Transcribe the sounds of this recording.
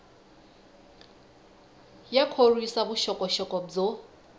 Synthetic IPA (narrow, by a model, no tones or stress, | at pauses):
jakʰorwisabʊʃɔkʼɔʃɔkʼɔb͡ʐo